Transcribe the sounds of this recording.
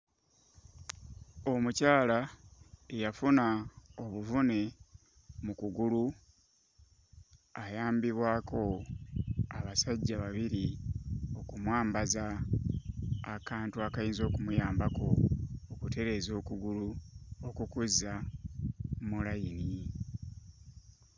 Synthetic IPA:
o̞mucaːla | ejafunao̞βuvune̞ | mukuɡulu | ajaːmbiβwaːko̞ | aβasaɟːaβaβiɾi | o̞kumwaːmbaza | kaːntuakajiːnzo̞ːkumujaːmbako̞ːkute̞ɾe̞ːzo̞ːkuɡuluokukuza | mulaini

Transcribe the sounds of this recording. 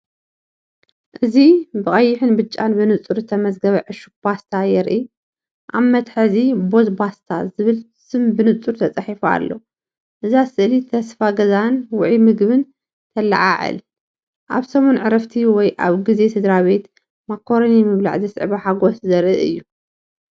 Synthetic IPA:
ʔɨzibɨχʼɐjːɪħɨnbɨt͡ʃʼːanbɨnɨt͡sʼuɾɨt̪ʰɐmɐzɡɐβʕɨʃuk̚b̥ast̪ʰajɛɾʔi | ʔamːɐt̪ħɨzibo̞zbast̪ʰazɨβɨl | sɨmbɨnɨt͡sʼuɾt̪ʰɐt͡sʼɐħifa̰lːo̰ | ʔɨzasɨʔlit̪ʰɐsfaɡɐzanwʊʕimɨɡβɨn | t̪ʰɐla̰ʕaʕɨ̰l | ʔa̰βsɐmonʕɨɾɐft̪ʰiwɔjʔaβɡɨze̞t̪ʰɨd̪ɾaβe̞t̪ | makʰːo̞ɾonimɨβla̰ʕzɐsʕβaħaɡo̞szɐɾʔɨʔɨjːu

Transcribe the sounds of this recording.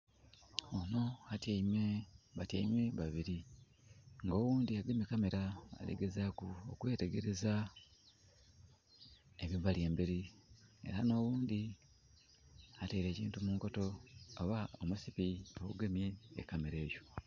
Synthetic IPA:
ono̞atemeβata̰imwe̞βaβiɾi | ŋɡo̞ːwuːnd̪iaɡemjekame̞ɾaa̰lḛɡe̞zakuokwe̞ːte̞ɡe̞ɾe̞za | eβiβalje̞ːmbeɾie̞̰ɾano̞ːwuːnd̪i | ateiɾe̞ːcḭːntumuːŋko̞to̞ːβaomusipio̞kuɡemje̞̰ːkame̞ɾe̞ːjo̞

